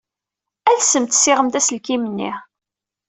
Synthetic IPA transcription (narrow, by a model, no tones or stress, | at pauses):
æðsːəmt̪sːɪʁəmt̪æsəlkimənːḭ